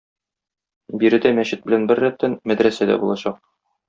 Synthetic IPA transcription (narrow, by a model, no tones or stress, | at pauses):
biɾɘ̆d̪æmæɕɘt̪̚bɘ̆lænbɘɾːæp̚t̪ænmæd̪ɾæsæd̪æ̰bulˠɑɕɑq̚